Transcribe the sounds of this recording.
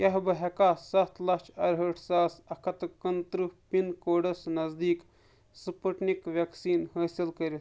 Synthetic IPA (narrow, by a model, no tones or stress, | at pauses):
jɐɦbɨɦɐkaːsɐt̪lɐt͡ʃʰɐɾɦəːʈʰsaːsɐkʰɐt̪kɐnt̪ɾɨpinkoːɖɐsnɐzd̪iːk | sɨpəʈnikʋʲɐksiːnhɐːsilkɐɾi